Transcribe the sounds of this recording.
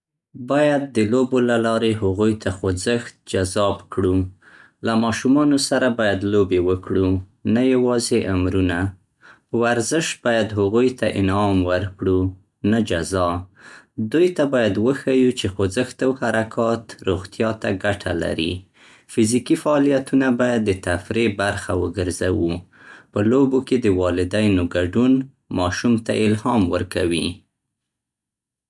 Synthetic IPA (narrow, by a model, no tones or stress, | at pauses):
bɑjad̪ːəlobolalɑɾeɦaɣujt̪ʰaxozəxt̪̚d͡ʒazɑbkɽu | lamɑʃumɑnosaɾabɑjad̪lobewəkɽu | najawɑzeʔamɾuna | waɾzɪʃt̪̚bɑjad̪ɦaɣujt̪aʔɪ̰nɑmwəɾkɽu | nad͡ʒazɑ | d̪ujt̪abɑjad̪wəxajut͡ʃexozəxt̪awhaɾakʰɑt̪ɾoɣt̪jɑt̪aɡaʈʰa̰la̰ɾḭ | fɪzikifaːlijat̪unabɑjad̪ːət̪afɾebaɾxawə̰ɡəɾzawu | pəloboked̪əwɑlɪd̪ajnoɡaɖun | mɑʃumt̪a̰ʔɪlhɑmwəɾkawi